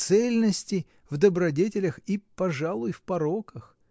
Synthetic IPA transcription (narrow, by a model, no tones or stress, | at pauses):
t̪sɛlʲnəsʲtʲɪ | vd̪əbɾɐdʲetʲɪlʲəxipɐʐalˠʊjfpɐɾo̞kəx